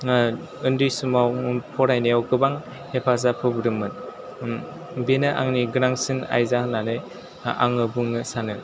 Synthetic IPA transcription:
ɯndɯjsumawpʰɔɾajnijawɡɯbaŋ | hepʰaz̬apʰɯbɯɾɯmɯn | benɯʔaŋniɡɯɾaŋsɯna̰jzahnanɯj | a̰ŋɯbuŋɯsanɯ

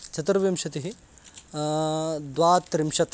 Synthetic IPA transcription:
t͡ʃɐt̪uɾʋimʃɐt̪iɦi | d̪ʋaːt̪ːɾimʃɐt̪

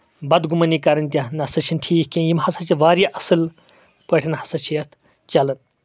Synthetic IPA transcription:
bɐd̪ɡumɐniːkɐɾɐnt̪̬ʲɐnɐsɐt͡ʃʰinʈʰiːkʲkʲinjimhɐsɐt͡ʃiʋaːɾiʔɐsɨl | pəʈʰʲinhɐsɐt͡ʃʰijɐt̪ʰ | t͡ʃɐlɨn

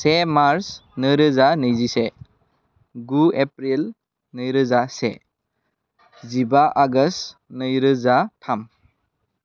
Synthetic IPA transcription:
semaɾsnɯɾɯzanɯjzise | ɡuepɾil | nɯjɾɯzase | zibaʔaɡəsnɯjɾɯzatʰam

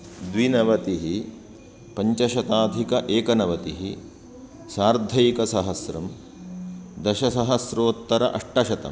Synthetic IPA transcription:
d̪ʋinɐʋɐt̪iɦi | pɐɲt͡ʃɐʃɐt̪aːd̪ʱikɐʔeːkɐnɐʋɐt̪iɦi | saːɾd̪ʱɐjikɐsɐɦɐsɾɐm | d̪ɐʃɐsɐɦɐsɾoːt̪ːɐɾɐʔɐʂʈɐʃɐt̪ɐ̰m

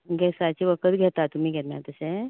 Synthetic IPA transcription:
ɡʱɛsat͡ɕiʋəkət̪ɡʱɛt̪at̪um̤iːɡʱɛt̪ma̰ɾt̪əse

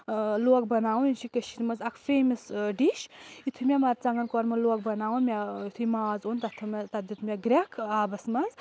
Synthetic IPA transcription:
loːk̚bɐnaːũnint͡ʃʰikɐʃiɾmɐzɐkʰfeːmɐsɖiʃit̪ʰumʲemɐɾt͡sɐŋɡɐnkɔɾmɐloːk̚bɐnaːwunmʲeit̪ʰumaːzoːnt̪ɐt̪ʰɐmɐt̪ɐd̪it̪ʰmʲeɡɾʲekʰaːbɐsmɐz

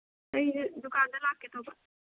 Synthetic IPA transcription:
ɐid̪ʊkaːnd̪əlaːket̪ʰoːpa

